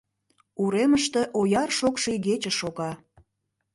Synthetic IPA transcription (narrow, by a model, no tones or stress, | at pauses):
uɾeməʃt̪e̽ʔojɑrʃokʃeiɣet͡ɕəʃoɣɑ